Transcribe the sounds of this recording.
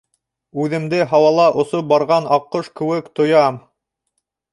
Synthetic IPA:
ʉðɘ̆md̪ɘɦɑwɑlˠɑʔŏsop̚bɑɾʁɑnɑqːoʃkɘ̆wɘkt̪ŏjɑm

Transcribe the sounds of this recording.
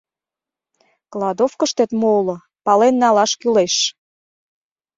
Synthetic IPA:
klɑd̪ofkəʃt̪et̪molŏ | pɑlenːɑlɑʃkyleʃ

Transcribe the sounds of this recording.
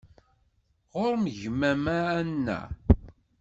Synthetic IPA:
ʁʊɾməʝmæmæːnːæ̰

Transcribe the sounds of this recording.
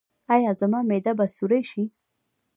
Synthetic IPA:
ɑjɑzamɑmed̪abasuɾajʃi

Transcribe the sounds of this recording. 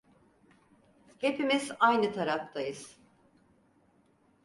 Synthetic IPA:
he̞pimizajnɯt̪ʰaɾaft̪ʰajɯz̥

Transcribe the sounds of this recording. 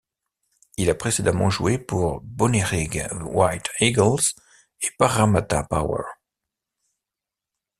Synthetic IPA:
ilapχesed̪amɑ̃ʒuepuʁbɔneʁiɡwajt̪ʰiɡəls | epaʁːamat̪a̰pa̰wɛ̰ʁ

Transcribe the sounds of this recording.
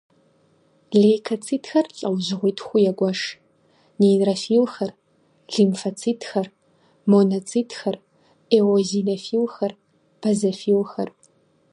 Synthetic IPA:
ɮekʰɐt͡sʰʼiːtxɐrɬʼɐwʑɪʁʷitʰxʷʊjɛɡʷɐʂ | nerɐfiːlxɐr | ɮimfɐt͡sʰiːtxɐr | monɐt͡sʰʼiːtʰxɐr | eːoziːnɐfiːlxɐr | b̥ʰɐzɐfiːlxɐ̰r

